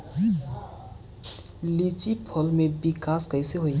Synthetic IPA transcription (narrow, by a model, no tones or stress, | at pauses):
lit͡ʃipʰɔlmẽbɪkaːskəɪseɦoi